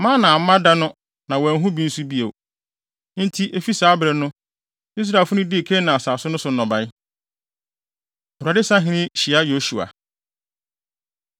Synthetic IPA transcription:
mã˦nã˨m̩˦mã˦da˦nʊ̃˦ | nã˨wɛ˨˦ɦũ˦bi˦n̩˦su˦bi˦e˨w | n̩˦tʰi˦ʔe˦fi˦saː˨˦bɾɛ˨nʊ̃˦ | i˦s̬ɾa˨fʊ˦nʊ̃˦di˦˨kʰe˦nã˨a˨saː˨sʊ˦nʊ̃˦sʊ˨n̩˦nɔ̃˨ba˦j | ha˨dɪ˦sã˦ɦɪ̃˦nɪ̃˦ɕi˨a˦jo˦ʃu˨a̰˨

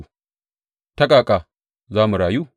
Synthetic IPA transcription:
tɐ˦kʼaː˨kʼa˨ | zaː˦mu˨ɽaː˨juː˦

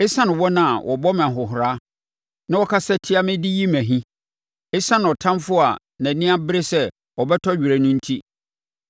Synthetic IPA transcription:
ɪ˦sã˦nɪ̃˨wɔ˦nã˨a˨wʔɔ̰˨bɔ˦m˨ã˨ɦʊ˨ɦʊ˨ɾa˦ | nã˦wɔ˦kʰa˦sɛ˦tʰɪ˦a˦mɪ̃˦dɪ˦ji˦mæ̃˨ɦĩ˦ | ɪ˦sã˦ñ˨ɔ˨tʰã˦mfʊ˦a̰˨ | næ̃˨nɪ̃˦a˦bɪ˦ɾe˦sɛ˦ | ɔ˨bɛ˦tʰɔ˦ɥᶣu˨ɾæ˨nʊ̃˦n̩˦tʰi˦

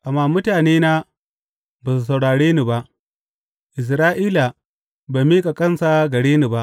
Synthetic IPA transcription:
ʔa˨mːaː˦˨mʊ˦taː˨neː˦naː˦ | baː˨s̬u˨sɐ˨wɽaː˨ɽeː˦ni˨ba˦ʔ | ʔɪ˨s̬ɾaː˦ʔiː˦la˨ | ba˨mi˦kʼa˨kʼɐ˦nsa˨ɡɐ˨ɽeː˦ni˨ba˦ʔ

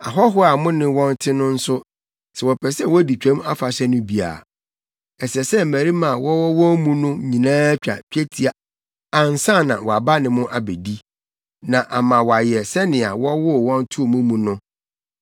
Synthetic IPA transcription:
a˨ɦɔ˦ɦʊ˦a˨mʊ̃˦nɪ̃˦wɔ̃˦n˦tʰɪ˦nʊ̃˦n̩˦sʊ˦ | sɛ˨wɔ˨pʰɛ˨sɛ˦wɔ˦di˨t͡ɕᶣɛ̃˦m˦a˦fa˨ɕɛ˦nʊ̃˦bi˨a̰˨ | ɛ˨sɛ˨sɛ˦m̩˨mæ̃˨ɾi˦mã˨wɔ˦wɔ˦wɔ̃˦mũ˦nʊ̃˦ɲĩ˨nãː˦t͡ɕᶣa̰˨pᶣʰɛ˦tʰi˨a˨ | a˨n̩˨sã˦˨nã˨wɔ˨a˨ba˦nɪ̃˨mʊ̃˦ʔa˨be˨di˦ | nã˨ʔa˨mã˨wɔ˨a˨jɛ˨sɛ˦nɪ̃˨a˨wɔ˦wʊ˦˨wɔ̃˦n˦tʰu˦o˨mũ˦mũ˨nʊ̃˦

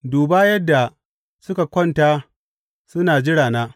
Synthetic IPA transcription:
duː˨baː˦jɐ˦dːa˨ | sʊ˦ka˨kʷɔ˦nta˦ | sʊ˦naː˨d͡ʒɪ˦ɽaː˨naː˦

